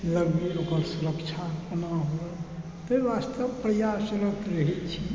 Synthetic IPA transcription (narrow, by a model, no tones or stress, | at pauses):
ləɾmilokəɾsuɾəkt͡ʃʰapənaɦoɾə | t̪əʋast̪əbpɾəjasuɾət̪ɾəɦit̪t͡ʃʰi